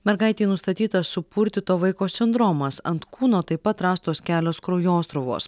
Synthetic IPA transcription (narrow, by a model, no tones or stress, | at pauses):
mʲɛɾɡɐɪt̪ʲiːnʊst̪ɐt̪ʲiːt̪ɐssʊpuɾʲt̪ʲɪt̪oːʋɐɪkoːsʲɪnd̪ɾoːmɐsɐnt̪kuːnoːt̪ɐɪpɐt̪ɾɑːst̪oːskʲæːlʲoːskɾoʊjoːst̪ɾʊʋo̰ːs